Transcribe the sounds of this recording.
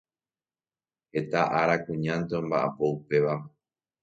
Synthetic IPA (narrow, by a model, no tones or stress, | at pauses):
he̞t̪aʔaɾakũɲãnt̪eõ̞mbaʔa̰po̞upe̞ʋa